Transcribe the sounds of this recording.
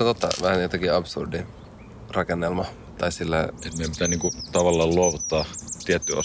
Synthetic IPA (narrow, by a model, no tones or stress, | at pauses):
ɑt̪ot̪ːɑ̰ʋæhænt̪ekiɑbsṵrdi | rɑkenːelmɑ | t̪ɑisilːæet̪miempit̪æniːŋkut̪ɑʋɑlːɑːlluoʋut̪ːɑːt̪iɛt̪ːyʔo̰s